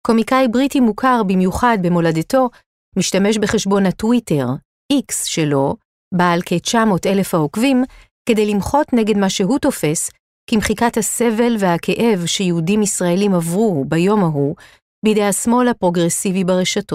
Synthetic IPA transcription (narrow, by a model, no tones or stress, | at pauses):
ko̞mikajbʁitimukʰaʁbimjuχad̚be̞mo̞ladeto̞ | miʃtame̞ʃbe̞χe̞ʃbo̞natwite̞ʁ | ʔiksʃe̞lo̞ | baːlket͡ʃamo̞te̞le̞fhaokvim | ke̞de̞jlimχo̞tneɡe̞dmaʃe̞ɦuto̞fe̞s | kimχikathase̞ve̞lvehakʰe̞ʔe̞vʃejeudimisʁae̞limavʁubajo̞maɦu | bidejasmo̞lhapʁo̞ɡʁe̞sivibaʁeʃato̞